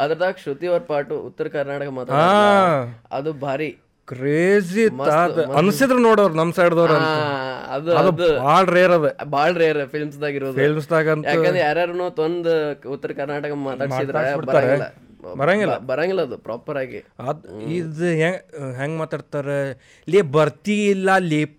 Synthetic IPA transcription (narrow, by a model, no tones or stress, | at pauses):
ɐd̪ɐɾɐd̪aːkʂut̪iʋɐɾpaːɾʈuut̪ːɐɾɐkɐɾnaːʈɐkɐmaːt̪aɽaː | ɐ̰d̪ubʱaːɾi | kɾeːd͡ʒit̪ːaɐnsid̪ɾenoːɽoːʋɾɐnɐmsɐiɽd̪ɐʋɾɐnɐɐ̰d̪uɐd̪ud̪bʱaːɭɐɾeːɐɾɐʋebʱaːɭɐɾejɐɾpʰilmsd̪aːɡiɾʋoːd̪pilms̬d̪aːɡɐntjaːend̪ɾeɛjaːɾaːɾunuːt̪ond̪ut̪ːɐɾɐkɐɾnaːʈɐkɐmaːt̪aːɽmaːid̪ɾaːbiɽbɐɾaːɾelːɐ̰ | bɐɾaːŋɡilɐbɐɾaŋɡilːɐɐd̪upɾaːpɐɾaːɡḭɐd̪id̪uɦeɡɦeːŋɡmaːt̪aːɖt̪aːɾe | lebɐɾt̪iːlːɐliːp